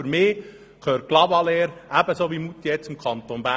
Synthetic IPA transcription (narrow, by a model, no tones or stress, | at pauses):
əɾmɪː | kʰøːɾt̚ɡ̥lɑbɑleːɾæbəsoːʋimut̪ːijɛt͡sɪmkʰɑnt̪onbæ